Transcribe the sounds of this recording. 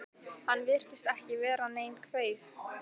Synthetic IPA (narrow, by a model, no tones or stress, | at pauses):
hanːvɪr̥t̪ɪst̪ɛhcɪvɛːɾaneːjmkʰvœːɥf